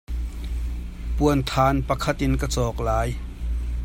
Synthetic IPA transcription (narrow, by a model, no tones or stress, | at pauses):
puənt̪ʰaːnpakʰat̪inkasɔːk̚laːj